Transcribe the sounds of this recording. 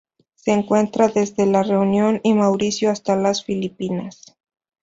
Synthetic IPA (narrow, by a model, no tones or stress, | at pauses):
se̞ːŋkwe̞nt̪ɾaðe̞zðe̞lare̞unjo̞nimawɾisjoast̪alasfilipinas